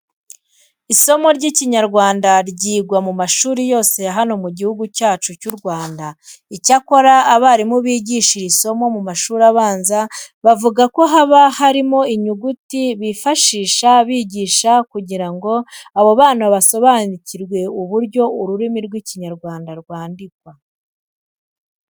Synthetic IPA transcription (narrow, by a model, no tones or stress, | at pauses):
iso̞mo̞ɾɟiciɲaɾɡwaːndaɾɟiːɡwamumaʃuːɾijo̞ːse̞ɦano̞muɟihuɡucaːt͡ʃucuɾɡwaːndaicako̞ɾaːβaɾimuβiːɟiʃiɾiso̞mo̞mumaʃuːɾaβaːnzaβavuɡako̞ɦaβahaɾimo̞iɲuɡutiβifaʃiːʃaβiːɟiːʃakuɟiɾaŋɡo̞aβo̞βaːnuβaso̞βaniciɾɡwe̞uβuɾɟo̞uɾuɾimiɾɡwiciɲaɾɡwaːndaɾɡwaːndikwa